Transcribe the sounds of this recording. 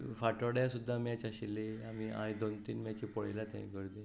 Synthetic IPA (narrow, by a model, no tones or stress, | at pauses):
faʈəɽjasud̪ʱːamat͡ɕaɕilːeamia̰jd̪ont̪iːnmat͡ɕipɔɭjlat̪ã̰ĩɡəɾd̪i